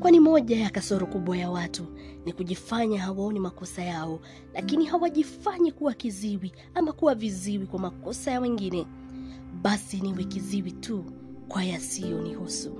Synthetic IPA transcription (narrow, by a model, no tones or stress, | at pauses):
kwanimɔʄajakasɔɾɔkuɓwajawatunikuʄifaɲahawaɔnimakɔsajaɔ | lakinihawaʄifaɲikuwakiziwi | amakuwaviziwikwamakɔsajawɛŋɡinɛ | ɓasiniwɛkiziwitʰu | kwajasijɔnihusu